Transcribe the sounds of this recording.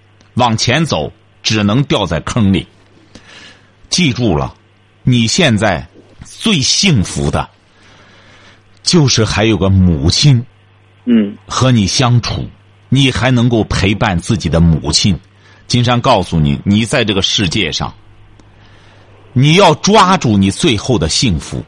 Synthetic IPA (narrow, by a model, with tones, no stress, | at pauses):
wɑ˨˩ŋt͡ɕʰjɛ˧˥nt͡so˨˩˦ʊ | ʈ͡ʂɻ̩˨˩nɤ˧˥ŋt̪jɑ˥˧ʊt͡sa˥˩ɪkʰɤ˥˧ŋlḭ˨˩ | t͡ɕi˥˧ʈ͡ʂu˥˩lə̰˩ | ni˨˩ɕjɛ˥˧nt͡sa˥˩ɪ | t͡swe˥˧ɪɕi˥˩ŋfṵ˧˥d̪ə̰˧ | t͡ɕjo˥˧ʊʂɻ̩˥˩xa˧˥ɪjo˨˩ʊɡə˦mu˨˩t͡ɕʰi˥n | xɤ˧˥ni˨˩ɕjɑ˥ŋʈ͡ʂʰṵ˨˩˦ | ni˨˩xa˧˥ɪnɤ˧˥ŋko˥˩ʊpʰe˧˥ɪpa˥˧nt͡sɹ̩˥˩t͡ɕi˨˩d̪ə˦mṵ˨˩t͡ɕʰi˥n | t͡ɕi˥nʂɑ˥ŋkɑ˥˩ʊsu˨˩nḭ˨˩ni˨˩t͡sa˥˧ɪʈ͡ʂɤ˥˩ɡə˩ʂɻ̩˥˧t͡ɕjɛ̰˥˧ʂɑ̰˥˩ŋ | ni˨˩jɑ˥˩ʊʈ͡ʂwa˥ʈ͡ʂu˥˩ni˨˩t͡swe˥˧ɪxo˥˩ʊd̪ə˩ɕi˥˩ŋfṵ˧˥